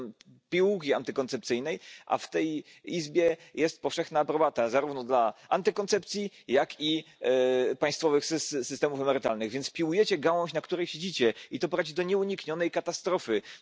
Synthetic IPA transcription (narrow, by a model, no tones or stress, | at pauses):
pʲiwukʲiant̪ɘkɔnt̪sɛp̚t̪sɘjnɛjʔa̰ft̪ɛj | izbʲjɛjɛst̪̚pɔfʂɛxnaːpɾɔbat̪azaɾuvnɔd̪laant̪ɨkɔnt̪sɛpt̪sʲji | jaki | paj̃st̪fɔvɘxssɘst̪ɛmufɛmɛɾɘt̪a̰lnɘɣvʲjɛnt̪spʲiwujɛt͡ɕɛɡawɔ̃ɕnakt̪uɾɛjɕed͡ʑit͡ɕɛit̪ɔpɔɾad͡ʑid̪ɔɲɛuɲikɲɔnɛjkat̪ast̪ɾɔfɘ